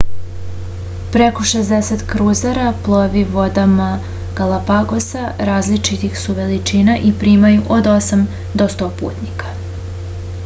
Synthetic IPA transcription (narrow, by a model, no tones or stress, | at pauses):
pɾeko̞ʃezd̪eset̪kɾuːzaɾaplˠoʋiʋo̞d̪ama | ɡ̥alˠapaɡo̞saɾaːzlit͡ʃit̪ixsuʋe̞lit͡ʃinaʔipɾiːmajuʔod̪o̞sam | d̪o̞st̪o̞ːpṵːt̪nikḁ